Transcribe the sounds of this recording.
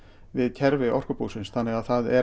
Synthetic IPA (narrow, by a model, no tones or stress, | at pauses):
vɪðcʰɛɾvɪʔɔr̥kʏpuwsɪnsθʰanːɪɣaðθaðɛ